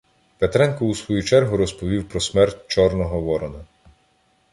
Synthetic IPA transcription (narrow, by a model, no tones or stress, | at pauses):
pet̪ɾɛnkɔusʋɔjut͡ʃɛrɦʊɾɔspɔʋʲiwpɾɔsmɛrtʲt͡ʃɔrnɔɦɔʋɔɾɔnɐ